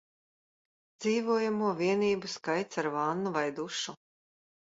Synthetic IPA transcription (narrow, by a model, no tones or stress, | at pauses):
d̪z̥iːvuɔjamuɔviɛniːbuskajt̪saɾvanːuvajd̪uʃu